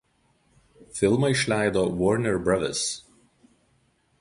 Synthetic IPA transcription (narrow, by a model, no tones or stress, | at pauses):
fʲɪlˠmɐɪʃʲlʲæˑɪd̪oːʋɔɾnʲɛɾbɾɐʋʲɛ̰s